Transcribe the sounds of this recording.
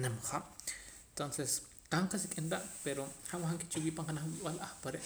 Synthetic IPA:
nemχḁ | t̪onses | qaɴqasikʼinɾaʔpeɾohawaxaŋket͡ʃiwiːʔpaɴqanaχwiwalʔaχpaɾeʔ

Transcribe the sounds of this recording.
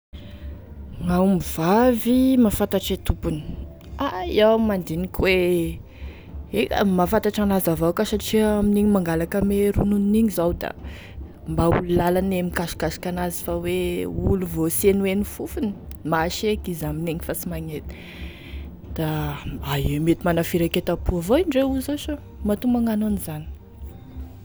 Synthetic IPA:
ŋawmiv̥avimafant̪aʈ͡ʂet̪upuni̥ | aiawmand̪inikʲwe | ekə̰mafant̪aʈ͡ʂanazavakəsaʈ͡ʂiaminiɲimaŋɡalakəmeɾununiniɲizawd̪a̰ | mbaululalanemikaʃi̥kaʃi̥kanazifaweuluvosenuenifufuni̥maʃekizamineŋifasimaŋet̪ | d̪̥aaiemet̪imanafiɾaket̪apuavoinɖ͡ʐeuzoso | mat̪umaŋanonizani̥

